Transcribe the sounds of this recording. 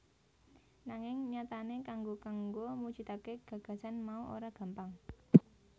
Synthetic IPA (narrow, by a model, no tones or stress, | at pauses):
naŋɪŋɲat̪anekaŋɡokaŋɡomut͡ʃit̪akeɡ̥ä̤ɡ̥ä̤sanmauʔo̰ɾaɡ̥a̤mpaŋ